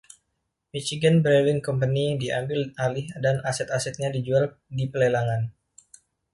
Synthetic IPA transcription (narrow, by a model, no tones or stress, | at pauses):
mit͡ʃiɡənbɾelɪŋkɔmpənidiʔambɪlalɪhdanasɛt̪asɛt̪̚ɲadid͡ʒual | dipəlelaŋan